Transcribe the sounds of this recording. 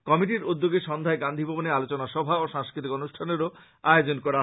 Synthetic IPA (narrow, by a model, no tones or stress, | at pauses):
kɔmiʈiɾud̪ːoɡeʃɔnd̪ʱaeɡand̪ʱibʱɔbonealot͡ɕonaʃɔbʱaoʃãŋskɾit̪ikonuʃʈʰaneɾo | aeod͡ʑonkɔɾa